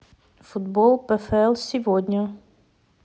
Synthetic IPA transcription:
fut̪bɔlˠpəfɛlˠsivɔd̪ɲə

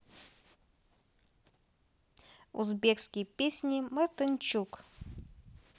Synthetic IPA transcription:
ṵzbʲekskʲɪjpʲesʲnʲɪmɐrt̪ɨnʲt͡ɕuk

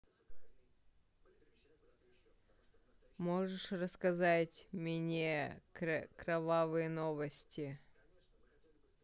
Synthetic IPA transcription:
moʐɨʂrəskɐzatʲmʲɪnʲe | kɾɐvavɨjənovəsʲtʲɪ

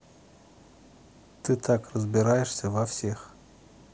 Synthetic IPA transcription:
t̪ɨt̪ʰakrəzbʲɪɾajɪʂsʲəvɐfsʲe̞x

